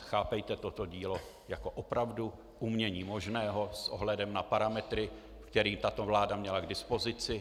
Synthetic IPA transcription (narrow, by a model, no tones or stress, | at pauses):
xaːpɛjt̪ɛt̪ot̪o̞ɟiːlo | jako̞ʔopɾavdu | ʔumɲɛɲiːmo̞ʒnɛːɦo̞sʔo̰ɦlɛdɛmnapaɾamɛt̪ɾɪ | fkt̪ɛɾiːmt̪at̪o̞vlaːdamɲɛlaɡdɪspo̞zɪt͡sɪ